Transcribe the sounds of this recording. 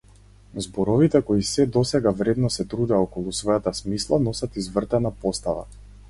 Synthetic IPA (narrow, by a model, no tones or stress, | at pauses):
zbɔɾɔvit̪ɛkɔisɛd̪ɔsɛɡavɾɛd̪nɔsɛt̪ɾud̪ɛɔkɔlˠusvɔjat̪asmislˠanɔsat̪izvr̩t̪ɛnapɔst̪ava̰